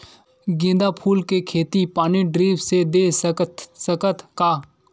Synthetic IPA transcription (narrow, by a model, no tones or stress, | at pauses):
ɡẽːnd̪apʰuːlkekʰeːt̪ipaːniɖɾiːbsed̪eːsət̪səkət̪ʰkaː